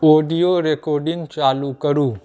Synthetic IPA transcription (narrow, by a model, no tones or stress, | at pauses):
oːɖijoɾekoːɾɖɪ̃ŋɡt͡ʃaːlukəɾuː